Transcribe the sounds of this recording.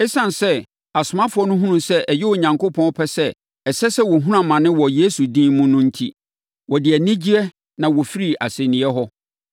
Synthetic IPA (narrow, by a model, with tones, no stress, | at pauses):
ɛ˦sã˨n˨sɛ˦ | a˨sʊ˨mã˦fʊ˨˦ɔ˦nʊ̃˦ɦũ˦nũ˦sɛ˦ʔɛ˨jɪ˦wɔ˨ɲã˨ŋkʰo˦pʰɔ̃˦pʰɛ˦sɛ˦ | ɛ˨sɛ˦sɛ˦wɔ˨ɦũ˦ɾã˨mːã˨nɪ̃˦wɔ˨je˦su˨dĩ˦mʊ̃˦nʊ̃˦n̩˦tʰi˦ | wɔ˨dɪ˨æ˨nĩ˦d͡ʑi˦ɛ˦ | nã˨wɔ˨fi˦ɾi˦ʔa̰˨sẽ˨nĩ˨ɛ˦ɦɔ˦